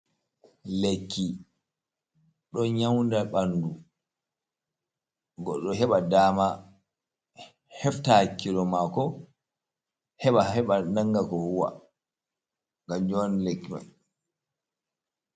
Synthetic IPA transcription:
lekːi | ɗɔɲawndaɓandu | ɡɔɗːɔɦɛɓadaːma | hɛftakːilɔmakɔ | hɛɓahɛɓanaŋɡakɔhuwa̰ | ŋɡamd͡ʒɔnlekːima̰n

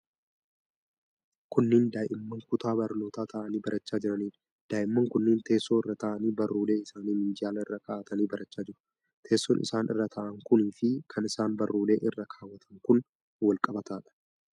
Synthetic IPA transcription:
kʊnːɪnd̪aːjʔɪmːɐŋkʊt̪aːbɐɾno̞ːt̪aːt̪ʰɐʔɐniːbɐɾʔɐt͡ʃːaːd͡ʒɪɾɐniːᶑ | d̪̥aːjʔɪmːɐŋkʊnːɪnt̪e̞ːsːoːɪrːɐt̪ɐːʔɐniːbɐrːuːle̞ːɪsaːniːmɪnd͡ʒɪaːlɐɪrːɐkɐʔaːt̪ɐniːbɐɾɐt͡ʃːaːd͡ʒɪɾʊ̥ | t̪ʰe̞ːsːɔnʔɪ̰saːnʔɪ̰rːɐt̪ʰaʔɐŋkʊniːfɪkʰɐnɪsaːnbɐrːuːle̞ːʔɪrːɐkʰaːwːɐt̪ʰɐŋkʊn | wɐlkʼɐbɐt̪aːᶑɐ̥

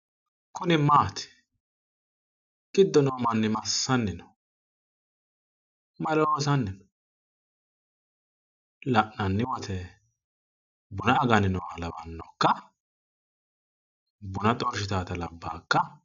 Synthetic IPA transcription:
kʊnɪmaːt̪ɪ̥ | ɡʼɪd̪ːɔnoːmɐnːɪmɐsːɐnːɪnɔ | mɐloːsɐnːɪnɔ̥ | lɐʔnɐnːɪwɐt̪ʰɛ | bʊnɐːɡɐnɪnɔwa̰lɐbɐ̰nːɔ̰kːɐ | bʊnɐt̪ʼɔɾʃɪt̪aːt̪ɐlɐbːa̰ːkːɐ

